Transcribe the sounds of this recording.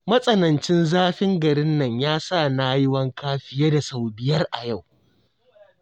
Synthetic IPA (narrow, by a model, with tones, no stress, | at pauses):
mɐ˦sʼɐ˦nɐ˨nt͡ʃɪ˦nzaː˦ɸɪ˦ŋɡɐ˨ɾɪ˦nːɐ˦˨ɲjaː˦sa˦˨naː˦jɪ˦wɐ˦ŋkaː˦ɸɪ˦jeː˦da˨sa˨wbɪ˨jɐ˦rʔa˨ja˦˨w